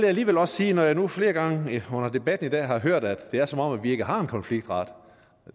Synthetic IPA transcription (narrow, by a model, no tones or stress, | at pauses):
lejæliːʋelɒssiːnɒjɑ̈ɪnufle̝ːɐɡ̥ɑ̈ŋəɔ̽n̰ɐd̥e̝b̥æd̥n̩id̥ɛ̰ːɦɑ̈ɦøɐ̰d̥æd̥ːe̝æɐsɒ̽mɒ̽m̰ædʋie̝ɡ̥əɦɑ̈e̝nkʰɒ̽nfliɡ̥̚d̥ʁɑ̈d̥